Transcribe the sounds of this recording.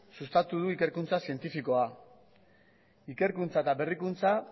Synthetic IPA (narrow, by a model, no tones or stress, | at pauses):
sust̪at̪uðuike̞ɾkunt͡sasie̞nt̪ifiko̞a | ike̞ɾkunt͡saet̪aβe̞rikunt͡sa